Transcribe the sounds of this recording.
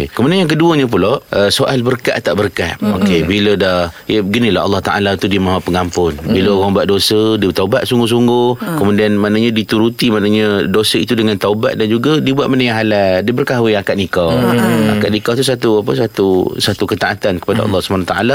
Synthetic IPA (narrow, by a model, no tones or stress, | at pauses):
kəmũdianjaŋk̬əduəɲə̃p̬uloʔəsoʔalbərka̰ʔt̪aʔbərkaʔokebilədajəɡinĩla̰ɑ̰lːɑht̪a̰ʔa̰lat̪udiəmãɦapəŋampʊnbiləoɣaŋbuaʔ̪̚dosədiət̪aubaʔ̪suŋɡʊs̬uŋɡʊkəmudianmanəɲadit̪uɾut̪imanəɲadosəit̪udəŋant̪auba̰t̪̚dand͡ʒuɡadibuat̪ʔ̪̚mənajaɦaladiəbərkaɦwɪakaʔ̪̚nikawa̰kaʔ̪nikawt̪̬us̬at̪uap̬əs̬at̪usat̪ukət̪aʔat̪ankə̥padaʔɑ̰lːɑhsubanat̪aʔa̰la